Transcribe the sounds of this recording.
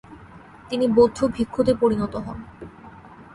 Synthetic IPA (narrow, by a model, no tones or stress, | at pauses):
t̪inibod̪ʱːubʱikʰːot̪epoɾinɔt̪oɦɔn